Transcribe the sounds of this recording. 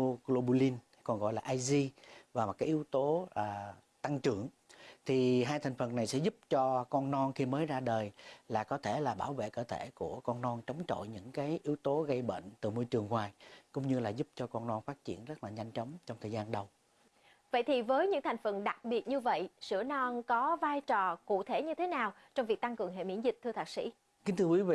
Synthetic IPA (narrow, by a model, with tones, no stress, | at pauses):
o˧ɣlo˧ɓu˧li˧n | kɔ˨˩nɣɔ̰˧˨jlaː˨˩ʔaː˧jzi˧vaː˨˩mɔ˨˩kaː˨˦jʔi˨˦wt̪o˨˦ʔaː˨˩ | t̪a˧ŋt͡ɕɨ˧˩˨əŋ | t̪ʰi˨˩ɦaː˧jt̪ʰa˨˩ŋ̟fə˨˩nːa˨˩jsɛ̰˧˥zu˦˥p̚t͡ɕɔ˧kɔ˧nnɔ˧nxi˧məː˨˦jzaː˧ɗəː˨˩jlaː˨˩kɔ˨˦t̪ʰe˧˩laː˨˩ɓaː˧˩wvḛ˧˨kəː˧t̪ʰe˧˩ku˧˩əkɔ˧nnɔ˧nt͡ɕə˨˦wŋ͡mt͡ɕo̰˧˨jɲɨ̰˧˥ŋkaː˨˦jʔi˨˦əwt̪o˨˦ɣə˧jɓḛː˧˨ŋ̟t̪ɨ˨˩mo˧jt͡ɕɨ˨˩əŋhwaː˨˩jkʊ̰˧˥ŋ͡mɲɨ˧laː˨˩zu˦˥p̚t͡ɕɔ˧kɔ˧nnɔ˧nfaː˦˥t̚t͡ɕḭ˧˩ənzə˦˥t̚laː˨˩ɲa˧jŋ̟t͡ɕɔ˨˦wŋ͡mt͡ɕɔ˧wŋ͡mt̪ʰəː˨˩zaː˧nɗə˧w | və̰˧˨jt̪ʰi˨˩vəː˨˦jɲɨ̰˧˥ŋt̪ʰa˨˩ŋ̟fə˨˩nɗa˨˩k̚ɓi˨˩ət̚ɲɨ˧və̰˧˨jsɨ̰˧˩ənɔ˧nkɔ˨˦vaː˧jt͡ɕɔ˨˩kṵ˧˨t̪ʰe˧˩ɲɨ˧t̪ʰe˨˦naː˨˩wt͡ɕɔ˧wŋ͡mvi˨˩k̚t̪a˧ŋkɨ˨˩əŋɦḛ˧˨mḭ˧˥ənzï˨˩k̚t̪ʰɨ˧t̪ʰaː˨˩k̚sḭ˧˥ | ki˨˦ŋ̟t̪ʰɨ˧kwi˨˦vḭ˧˨